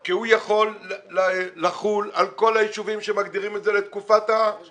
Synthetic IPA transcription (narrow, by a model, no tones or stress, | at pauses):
kihujaχo̞lː | aχulalko̞lajiʃuvimʃemaɡd̪iʁimetzelet̪kufat̪a